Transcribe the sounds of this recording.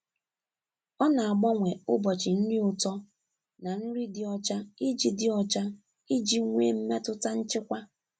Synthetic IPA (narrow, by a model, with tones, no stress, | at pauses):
ɔ˦na˨a˨ɡ͡bɔ˦ŋʷe˨ʊ˦bɔ˨t͡ʃɪ˨n̩˦nɪ˦ʊ˨tɔ˦ | na˨n̩˦ɾi˦dɪ˦ɔ˦t͡ʃa˦i˦d͡ʒi˨dɪ˦ɔ˦t͡ʃa˦ | i˦d͡ʒi˦ŋʷḛ˦m̩˦me˦tʊ˦ta˦n̩˦t͡ʃɪ˦kʷa˦